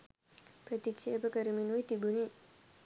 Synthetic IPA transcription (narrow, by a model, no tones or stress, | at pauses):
prət̪ikʃeːpəkəɾəminujt̪ibuni